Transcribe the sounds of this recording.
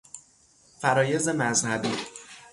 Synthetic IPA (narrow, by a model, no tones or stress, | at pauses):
fæɾɒːje̞ze̞mæzhæbiː